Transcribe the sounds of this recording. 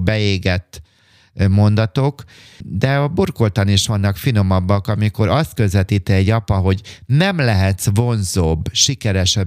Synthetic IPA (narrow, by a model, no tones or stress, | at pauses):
bɛeːɡɛt̪ː | mo̞nd̪ɒt̪o̞k | d̪ɛɒburko̞lt̪ɒniʃʋɒnːɒkfino̞mɒbːɒkɒmiko̞ɾɒst̪̚kø̞zʋɛt̪iːt̪ɛɛɟːɒpɒɦo̞ɟnɛmlɛɦɛt̪svo̞nzoːbʃikɛɾɛʃɛ